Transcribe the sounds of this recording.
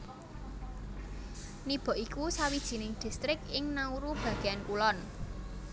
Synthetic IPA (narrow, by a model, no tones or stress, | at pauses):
nib̥ɔ̤ʔikusawid̥ʒ̥i̤nɪŋd̪̥i̤st̪ɾɪkɪŋnauɾub̥ä̤ɡ̥eankulɔn